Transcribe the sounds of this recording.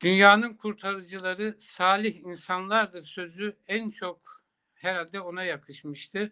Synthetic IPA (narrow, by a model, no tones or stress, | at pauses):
d̪̥ynjaːnɯnkʰuɾt̪ʰaɾɯd͡ʒɯlˠaɾɯsaːlʲiɦinsanlˠaɾd̪ɯɾsø̞zyænt͡ʃʰo̞k | hæɾalʲd̪ɛo̞najakʰɯʃmɯʃt̪ʰɯ